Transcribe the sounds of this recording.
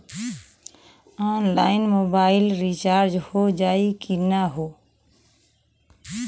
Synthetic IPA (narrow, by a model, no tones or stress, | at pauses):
anlainmobailɾit͡ʃaɾd͡ʒhod͡ʒaikinaɦo